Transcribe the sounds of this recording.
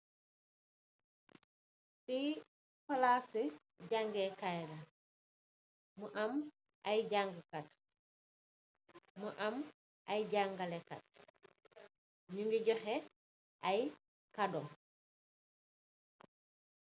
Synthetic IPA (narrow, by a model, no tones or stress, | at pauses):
ti | falase | ɟaŋɡɛkajɾɐ | muʔam | ʔajɟaŋɡəkat̚ | muʔam | ajɟaŋɡalɛka̰t̚ | ɲuŋɡiɟɔxɛ | ʔaj | kadɔm